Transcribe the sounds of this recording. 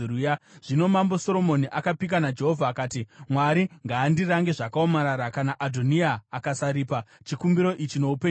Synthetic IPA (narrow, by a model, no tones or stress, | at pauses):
ujaʐ̥ino̞mambo̞so̞ɾo̞mo̞niʔakapik̬anad͡ʒe̞ɦovʱaːkaːtimwaɾiŋɡaːndiraŋɡe̞ʐakaomaɾaɾakanaʔadʱoniaːkasaɾipat͡ʃikumbiɾo̞ʔit͡ʃino̞upe